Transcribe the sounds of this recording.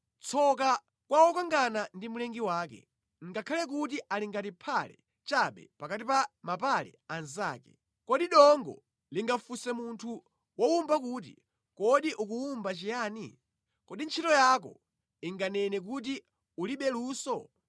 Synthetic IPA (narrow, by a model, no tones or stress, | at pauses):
t͡sʰɔk̬a | kwawɔkaŋɡanandimulɛŋɡiwaːk̬ɛ̰ | ŋ̩ɡakʰalɛk̬ut̬iʔaliŋɡatipʰalɛ̰ | t͡ʃaɓɛ̰pakatipamapalɛ̰anzaːkɛ̰ | kɔɗiɗɔŋɡɔ̰ | liŋɡafusɛmuntʰu | wɔumbakut̬ḭ | kɔɗiʔukuumbat͡ʃijaːni | kɔɗint͡ʃʰitɔjak̬ɔ̰ | iŋɡanɛnɛk̬ut̬i | uliɓɛluːsɔ